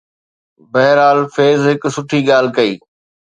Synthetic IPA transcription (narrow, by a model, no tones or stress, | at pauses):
bɐɦɾaːlfeːzɦɪksʊʈʰiːɠaːl̤kɐḭː